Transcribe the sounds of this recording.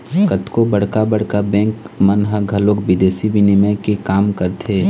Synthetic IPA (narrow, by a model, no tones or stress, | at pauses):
kət̪kobɐɽ̤kabɐɽ̤kabɛ̃ːŋkmɐnɦəɡʱɐloːkbɪd̪eːsibɪnimə̃kekaːmkəɾt̪ʰeː